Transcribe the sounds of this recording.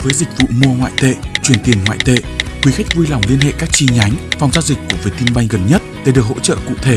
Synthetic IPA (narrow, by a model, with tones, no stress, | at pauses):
vəː˨˦jzï˨˩k̟̚vṵ˧˨mu˧əŋwa̰ː˧˨jt̪ḛ˧˨t͡ɕwi˨˧˩ənt̪i˨˩ənŋwa̰ː˧˨jt̪ḛ˧˨xwi˨˦xa˦˥k̟̚vu˧jla˨˩wŋ͡mli˧ənɦḛ˧˨kaː˦˥k̚t͡ɕi˧ɲa˨˦jŋ̟fa˨˩wŋ͡mzaː˧wzi˨˩k̟̚kːu˧˩əviː˨˩˦t̪i˧nɓa˧jŋ̟ɣə˨˩nɲə˦˥t̚ɗe˧˩ɗɨ˨˩ək̚ho̰˧˥t͡ɕə̰ː˧˨kṵ˧˨t̪ʰe˧˩